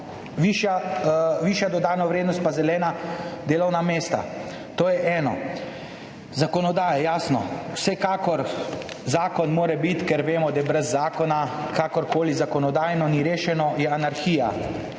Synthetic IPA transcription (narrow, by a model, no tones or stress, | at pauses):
ʋiʃjaʋiːʃjad̪ɔd̪aːnɔʋɾeːd̪nɔst̪̚pazɛlɛːnad̪eːlɔwnameːst̪a̰ | t̪oːjɛʔɛːnɔ̰ | zakɔnɔd̪aːjɛjaːsnɔ̰wsɛkaːkɔɾ | zaːkɔnmoːɾɛbit̪kɛɾʋeːmɔd̪ajɛbɾɛzːaːkɔnakaːkɔɾkoːlizakɔnɔd̪aːjnɔniɾeːʃɛnɔjɛanaɾxiːja̰